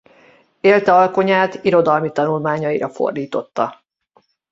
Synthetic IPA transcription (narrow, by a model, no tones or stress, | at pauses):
eːlt̪ɛɒlko̞ɲaːt̪iɾo̞d̪ɒlmit̪ɒnulmaːɲɒiɾɒfo̞̰rd̪iːt̪o̞t̪ːɒ